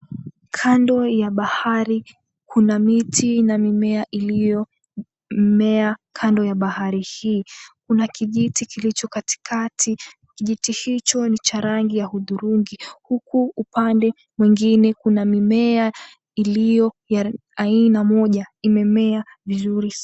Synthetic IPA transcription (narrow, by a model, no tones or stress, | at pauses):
kʰandɔjaɓahaɾi | kʰunamitʰinamimɛaʔilijɔ | m̩mɛakʰandɔjaɓahaɾihiːkunakiʄitikilit͡ʃɔkati̥kʰatʰi | kiʄitihit͡ʃɔnit͡ʃaɾaŋɡijahuðuɾuŋɡihukuːpandɛ | mwiŋɡinɛkunamimɛa | ilijɔ | ja | ainamɔʄaimɛmɛa | vizuɾi